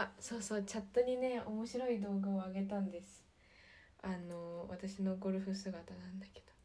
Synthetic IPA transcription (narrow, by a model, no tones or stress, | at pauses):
aso̞ːso̞ːt͡ɕat̪ːoɲ̟ine̞o̞mo̞ɕiɾo̞id̪o̞ːɡaoaɡe̞t̪ãnd̪e̞sɨ̥ | ano̞βat̪aɕinoːɡo̞ɾɯ̟ɸɯ̟sɨɡat̪anãnd̪ake̞̥d̪̥o̞